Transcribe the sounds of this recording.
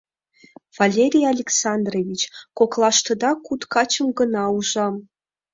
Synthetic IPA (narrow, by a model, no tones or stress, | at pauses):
v̥alʲeɾʲijalʲeksɑnd̪rovʲit͡ɕkoklˠɑʃt̪ɤ̆d̪ɑkut̪kɑt͡ɕə̆mɡɤ̆nɑuʒɑm